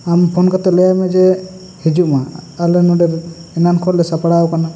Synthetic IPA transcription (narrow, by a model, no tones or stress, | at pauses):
ampʰɔnkat̪ɛlɛjamɛd͡ʒɛ | hid͡ʒuʔmaalɛnɔɖɛɾɛnankʰɔɾlɛsapaɽawkana